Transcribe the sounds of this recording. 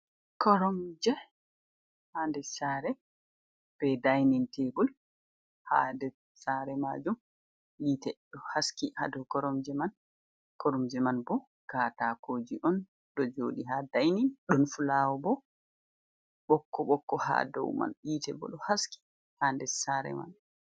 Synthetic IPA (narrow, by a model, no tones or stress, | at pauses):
kɔɾɔmd͡ʒɛ | haːndɛsaːɾɛ | b̥ɛdajnintʰebul | ha̰dɛ | saɾɛmad͡ʒum | jitɛɗɔhaskiha̰dɔwkɔɾɔmd͡ʒɛman | kɔɾɔmd͡ʒɛmanbɔ | kaːtakʰoːd͡ʒiʔɔn | ɗɔd͡ʒoːɗiɦadajninɗɔnfulawɔbɔ | ɓɔkːɔɓɔkːɔha̰dɔ̰wma̰njitɛ̰bɔ̰ɗɔhaski̥ | haːndɛsaːɾɛ̰ma̰n